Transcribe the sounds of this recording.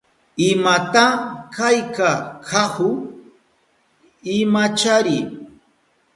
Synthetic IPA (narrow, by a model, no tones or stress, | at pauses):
ɪmat̪akajkakʰahʊ | ɪmat͡ʃaɾɪ